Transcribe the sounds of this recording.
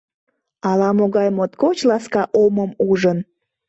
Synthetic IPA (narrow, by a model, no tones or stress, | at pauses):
ɑlɑmoɣɑjmot̪kot͡ɕlɑskɑʔoməmuʒən